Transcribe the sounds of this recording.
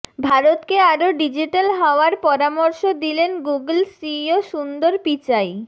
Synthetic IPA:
bʱaɾot̪keaɾoɖid͡ʑiʈalɦɔoaɾpɔɾamoɾʃod̪ilenɡuɡlsioʃund̪oɾpit͡ɕaj

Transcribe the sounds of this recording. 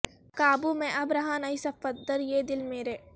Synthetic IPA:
kaːbumẽʔɐbɾɐɦaːnɐisɐfɐd̪ɐɾjeːd̪ɪlmeːɾeː

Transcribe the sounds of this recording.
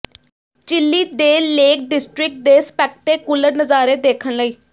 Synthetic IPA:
t͡ʃɪlːiːd̪eːleːk̚ɖɪsʈɾɪk̚ʈ̚d̪eːspɛːk̚ʈ̪eːkʊlːəɾnəzaːɾeːd̪eːkʰənləiː

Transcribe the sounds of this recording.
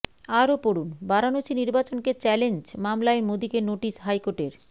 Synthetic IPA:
aɾopoɽunbaɾanot͡ɕiniɾbat͡ɕonket͡ɕɛlend͡ʑmamlaemod̪ikenoʈisɦajkoʈeɾ

